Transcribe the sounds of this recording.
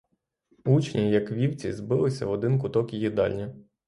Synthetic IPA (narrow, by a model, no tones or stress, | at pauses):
ut͡ʃnʲijɐkʋʲiwt͡sʲḭzbɪlˠɪsʲɐɔd̪ɪnk̬ʊt̪ɔkijid̪ɑ̰lʲnʲɐ